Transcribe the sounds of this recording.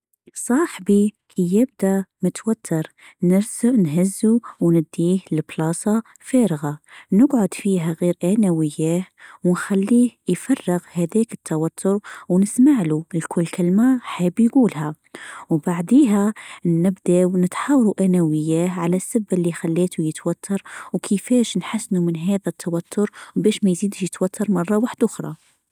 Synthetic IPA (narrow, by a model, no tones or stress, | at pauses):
sˤɑːħbikʰijɪb̚d̪amɪt̪wat̪ʰːɑɾˤ | nɪɾznɦɪzːuwnɪd̪ːiːhlɪblɑːsˤɑ | feːɾɪɣanɪɡʕʊd̪fiːɦaɣiːɾʔanawɪjːæːhwnxalːiːhjfɑrˤːɪɣhæðɛːkɪ̥t̪ʰːawat̪ʰːʊɾwnɪsmaʕlulkʰʊlːkɪlmaħaːbjɡuːlhæ | wbaʕd̪iːɦænɪbd̪awnət̪ħaːwɑɾuʔænæwɪjːæhʕalæsːabːəlːixælːeːt̪ujət̪wæt̪ʰːɑɾˤwkʰəfɛːʃnħasːnumənɦæːðæt̪ʰːawæt̪ʰːʊɾwbæːʃmæjziːd̪ʃjət̪wæt̪ʰːɑɾˤmɑrˤːɑwaħd̪ʔʊxɾˤɑ̰